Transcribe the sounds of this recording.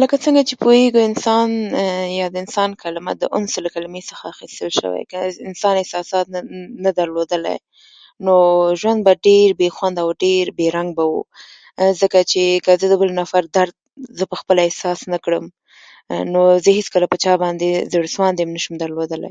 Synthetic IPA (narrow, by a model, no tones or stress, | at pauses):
ləkat͡səŋɡat͡ʃepojeɡuɪnsɑnjɑd̪əɪnsɑnkalɪma̰t̪̚d̪əʔʊnsʊlakalɪmesəxaːxist̪əlʃə̰wa̰jkaɪnsɑnɪsɑsɑt̪nad̪aɾlod̪əla̰j | noʒwand̪̚baɖeɾbexwand̪awɖeɾbeɾaŋɡ̚bawṵ | zəkat͡ʃekazəd̪əbəlnafaɾd̪aɾd̪̚zəpəxpəlaɪhsɑsnakɽəm | nozəhit͡skəlapət͡ʃɑbɑnd̪ezəɽswɑnd̪emnaʃumd̪aɾlod̪əla̰j